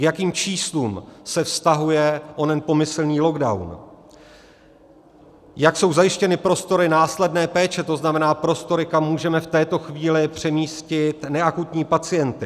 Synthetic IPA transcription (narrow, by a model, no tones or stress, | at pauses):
kjakiːmt͡ʃiːsluːmsɛfst̪aɦujɛʔonɛnpo̞mɪsl̩ɲiːlo̞ɡdawn | jakso̞wzajɪʃcɛnɪpɾo̞st̪o̞ɾɪnaːslɛdnɛːpɛːt͡ʃɛt̪o̞znamɛnaːpɾo̞st̪o̞ɾɪkamːuːʒɛmɛft̪ɛːt̪o̞xviːlɪpr̝̥ɛmiːscɪt̪nɛakut̪ɲiːpat͡sɪjɛnt̪ɪ